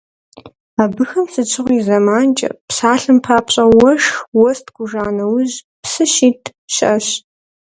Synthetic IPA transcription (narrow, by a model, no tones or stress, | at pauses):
aːbɨxɐmsɨt͡ʃʰʼɨʁʷiːzɐmaːnt͡ʃʼɐ̰psaːɬɨmpʰaːpɕʼɐwɔʂwɔstʰɡʷʊʒaːnɐwʊʑ | psɨʃiːtʰ | ɕɪʔɐɕ